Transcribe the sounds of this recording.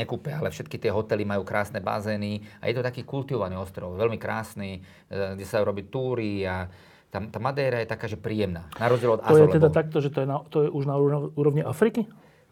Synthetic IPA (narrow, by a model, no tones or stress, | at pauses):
ɲɛkuːpɛalɛfʃɛt̪̚kit̪ɪɛɦɔt̪ɛlimajuːkɾaːsnɛba̰zɛːnia̰jɛt̪ɔt̪akiːkult̪iʋɔʋaniːɔst̪ɾɔʊʋɛlmikɾaːsni | ɡɟɛsaajuɾɔbit̪uːɾia | t̪amt̪aːmad̪ɛːɾajɛt̪akaːʒɛpɾiːjɛmnaːnaɾɔzd͡ʑjɛlɔd̪aɔjɛtlɛd̪att̪ak̚t̪ɔʒɛt̪ɔjɛnat̪ɔjɛʔuʒnauuːɾɔʋɲiʔafɾiki